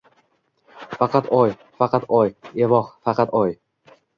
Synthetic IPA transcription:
fɑqʰɑt̪ɒj | fɑqʰɑt̪ɒjevɒχfɑqʰɑt̪ɒj

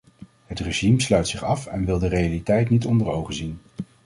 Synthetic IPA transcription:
ɦətreʒimslœɥtsɪχɑfɛnʋɪlˠdərejalitɛjtnitɔndəɹowχəzin

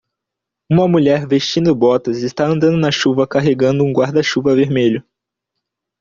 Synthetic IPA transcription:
ũmɐmuʎɛɾvest͡ʃĩnd̪ʊbɔt̪ɐzɪst̪aɐ̃nd̪ɐ̃nd̪ʊnɐʃuvɐkaɦeɡɐ̃nd̪ʊũɡwaɾd̪ɐʃuvɐveɾmeʎʊ

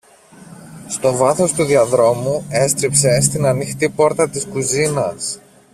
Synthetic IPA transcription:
st̪o̞vɐθo̞st̪uðiɐðɾo̞mue̞st̪ɾipse̞st̪inɐnixt̪ipo̞ɾt̪ɐt̪iskuzinɐs

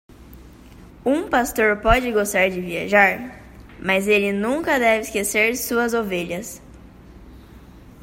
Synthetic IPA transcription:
ũpast̪oɾpɔd͡ʒɪɡost̪aɾd͡ʒɪvia̰ʒaɾ | mɐzelɪnũŋkɐd̪ɛvɪiskeseɾsuɐzoveʎɐs

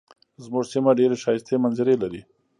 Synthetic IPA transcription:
zmuʐsimaɖeɾeʃɑjɪst̪emanzɪɾelaɾi

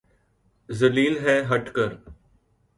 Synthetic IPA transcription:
zəliːlɦɛːɦəʈkəɾ

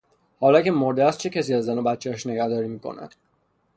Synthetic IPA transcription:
hɒːlɒːce̞moɾd̪eæst̪̚t͡ʃʰe̞cʰæs̬iːæzːænobæt̪t͡ʃʰːeæʃne̞ɟæhd̪ɒːɾiːmiːkʰo̞̰næ̰d̪̥

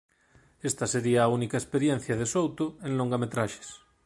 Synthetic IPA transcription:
est̪aseɾiaːunikaespeɾjen̟θjaðesowt̪oẽnloŋɡamet̪ɾaʃe̥s

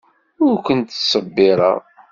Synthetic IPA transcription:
ʊɾkʷənt̪sˤəbːɪɾˤə̰ʁ

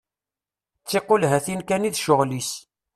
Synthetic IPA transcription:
t͡sːeqolɦæθinkæniðʃʊʁlis

